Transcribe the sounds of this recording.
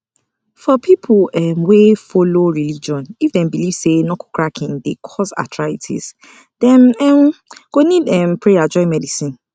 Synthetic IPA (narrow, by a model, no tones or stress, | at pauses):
fɔpʰipʰʊɛmwefoloɹilid͡ʒiɔ̃nifdɛ̃nbiliv̥senɔku̥kʰɹakʰĩndekʰɔza̰tʰɹaitʰḭz̥ | d̥ɛ̃nɛmɡ̥onidɛmpɹead͡ʒɔ̃ɪ̃mɛdisĩn